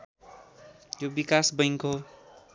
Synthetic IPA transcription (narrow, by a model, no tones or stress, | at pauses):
jobikasbʌjŋko